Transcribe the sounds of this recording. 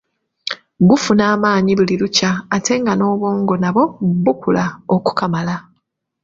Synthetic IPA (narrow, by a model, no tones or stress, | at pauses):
bufunaːmaːɲiβuliɾucaːtʰe̞ŋɡano̞ːβo̞ːŋɡo̞naβo̞bukʰulaoku̥kamala